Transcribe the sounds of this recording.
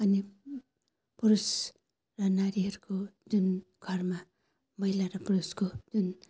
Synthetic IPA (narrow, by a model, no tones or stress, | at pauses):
ani | puɾus | ɾanaɾiaɾkʰodun | kʰaɾma | majlaɾapuɾuskʰod̥un